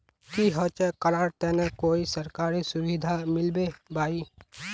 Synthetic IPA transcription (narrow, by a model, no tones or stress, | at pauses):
kiɦɔt͡ʃɛkəɾaːɾt̪ɛnekoːisəɾkaːɾisʊwid̪ʱamɪlbebaːi